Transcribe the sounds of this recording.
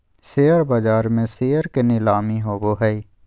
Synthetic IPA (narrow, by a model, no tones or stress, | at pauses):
seːəɾbad͡ʒaːɾmẽseːəɾkenɪlaːmiɦoːboɦɛi